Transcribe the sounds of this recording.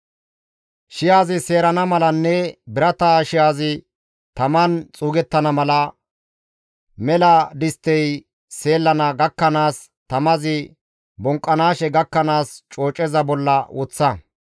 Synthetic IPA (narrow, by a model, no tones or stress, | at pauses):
ʃɪjaːzɪse̞ːɾɐnɐmɐlɐnːɛbɪɾɐt̪aʃɪjaːzɪ | t̪ɐmɐnt͡sʼuːɡɛt̪ːɐnɐmɐlɐ | mɛlɐd̪ɪst̪ːɛj | se̞ːlːɐnɐɡɐkːɐnaːs | t̪ɐmɐzɪ | bɔŋkʼːɐnaːʃɛɡɐkːɐnaːst͡ʃʼo̞ːt͡ʃʼɛzɐbɔlːɐwɔt͡sːɐ